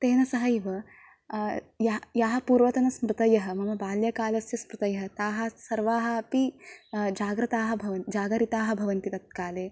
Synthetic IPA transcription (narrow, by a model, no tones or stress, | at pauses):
t̪eːnɐsɐɦɐiʋɐ | jɐjaːɦɐpuːɾʋɐt̪ɐnɐsmɾut̪ɐjɐɦɐ̆mɐmɐbaːljɐkaːlɐsjɐsmɾut̪ɐjɐɦɐ̆t̪aːɦɐsɐɾʋaːɦɐɐpid͡ʒaːɡɾɐt̪aːɦɐ̆bʱɐʋɐnd͡ʒaːɡɐɾit̪aːɦɐ̆bʱɐʋɐnt̪it̪ɐt̪̚kaːleː